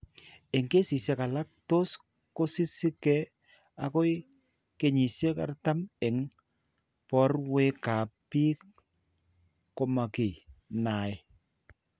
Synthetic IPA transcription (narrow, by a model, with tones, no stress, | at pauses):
e˨ŋke˦si˨se˨ka˨la˦p̚to˦s | ko˦si˦si˦kɛ˦ | a˨ko˦j | ke˨ɲi˨se˦ka̰˨rta˦mɛ˨ŋ | pɔ˦rwe˦ka˨pi˦k | ko˨ma˨ki˨na˨j